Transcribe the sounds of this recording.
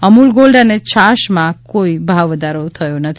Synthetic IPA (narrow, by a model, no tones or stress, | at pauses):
əmulɡolɖanet͡ʃʰaʃmãkoibʱaʋʋəd̪aɾot̪ʰəjõnət̪ʰ